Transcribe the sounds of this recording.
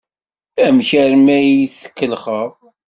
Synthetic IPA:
æmçæɾmæjθə̥kːəlχəðˤ

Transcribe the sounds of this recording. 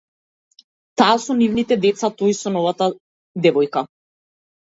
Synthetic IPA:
t̪aːsɔnivnit̪ɛd̪ɛt̪sat̪ɔjsɔnɔvat̪a | d̪ɛvɔjka

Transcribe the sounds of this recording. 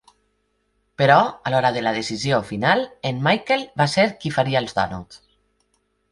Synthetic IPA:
pəɾɔalɔɾaðelaðesiziofinalenmajkelβaseɾkifaɾiaelzdɔ̰nṵt̪

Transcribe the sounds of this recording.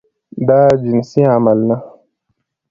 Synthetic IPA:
d̪ad͡ʒinsiamalna

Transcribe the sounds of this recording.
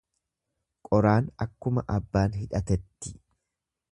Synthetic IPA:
kʼɔɾaːnɐkːʊmɐʔɐbːaːnɦɪᶑɐt̪ɛt̪ːɪ̥

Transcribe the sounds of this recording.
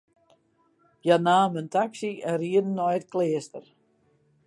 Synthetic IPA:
janaːməntaksiəriədn̩ːɔjətkleːstər

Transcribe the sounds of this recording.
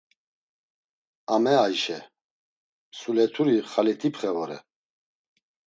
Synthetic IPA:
amɛajʃɛ | sulɛt̪ʰuɾiχalit̪ʰipχɛvɔɾɛ̰

